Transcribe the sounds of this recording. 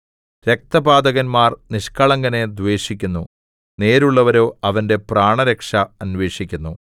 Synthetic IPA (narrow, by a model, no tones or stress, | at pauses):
ɾek̚t̪ɐbaːd̪ɐɣɐnmaːrniʂkɐɭɐŋɡɐne̞d̪ʋe̞ːʂikʲːunːu | ne̞ːɾuɭːɐʋɐɾo̞ːɐʋɐnde̞praːɳɐɾekʂɐɐnʋe̞ːʂikʲːunːu